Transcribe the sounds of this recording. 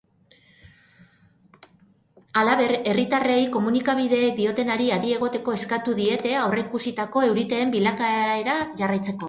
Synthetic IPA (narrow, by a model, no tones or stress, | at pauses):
alaβe̞re̞rit̪arejko̞munikaβ̞iðe̞ːk̚d̪io̞t̪e̞naɾiaɾie̞ɣ̞o̞t̪e̞ko̞e̞skat̪uðie̞t̪e̞awre̞kusit̪ako̞e̞wɾit̪e̞ːmbilakaɾeɾaʝarajt͡se̞ko̞